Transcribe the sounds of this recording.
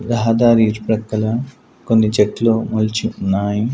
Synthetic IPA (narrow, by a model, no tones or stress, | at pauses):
ɾɐɦɐd̪aːɾiːɾpɾɐkːɐlɐ | konːid͡ʒeʈloːmɐlt͡ʃiunːaːji